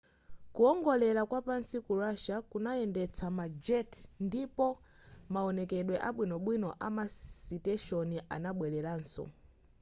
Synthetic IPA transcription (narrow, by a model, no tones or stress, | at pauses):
kuɔŋɡɔlɛlakwapansikuɾaʃakunajɛndɛt͡sʰamad͡ʒɛtndipɔ | maɔnɛkɛɗwɛʔaɓwinɔɓwinɔʔamasitɛʃɔniʔa̰naɓwɛlɛlaːnsɔ̰